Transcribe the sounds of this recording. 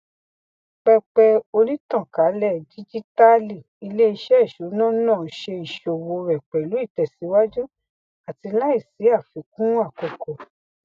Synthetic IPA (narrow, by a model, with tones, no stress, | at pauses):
k͡pɛ˧k͡pɛ˧o˧ɾĩ˦tã˦˨ka˨˦lɛ˦˨di˦d͡ʒi˦ta˦li˦˨ | i˧le˦i˧ʃɛ˦i˦˨ʃu˨˦nã˦˨˦nãː˦˨˦ʃe˧i˨ʃo˨wo˧ɾɛ˨k͡pɛ˨lu˨˦i˦˨tɛ˨si˨˦wa˦d͡ʒũ˦ | a˨ti˧la˦i˦˨si˨˦a˦˨fi˨˦kũ˦a˦˨ko˨˧kɔ˨